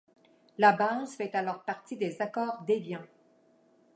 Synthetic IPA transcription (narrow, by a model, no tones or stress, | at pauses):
labazfɛt̪alɔʁpaʁt̪id̪ezakɔːʁd̪evjɛ̃